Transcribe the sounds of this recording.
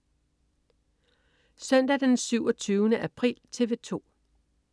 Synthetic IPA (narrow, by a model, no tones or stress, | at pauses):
sœn̰d̥æd̥ensyʊɒt͡sʰyːʊnəʔæpʰʁḭlt͡sʰe̝ʋe̝t͡sʰo̝̰ː